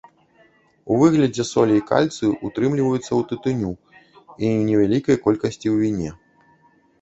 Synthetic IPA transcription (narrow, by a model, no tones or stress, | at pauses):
uvɨɣlʲɐd͡zʲɛsɔlʲɛika̰lʲt̪sɨʔut̪ɾɨmlʲivɐjut̪sːɐwt̪ɨt̪ɨnʲu | inʲɛvʲalʲikɐjkɔlʲkɐsʲt͡sʲiwvʲinʲɛ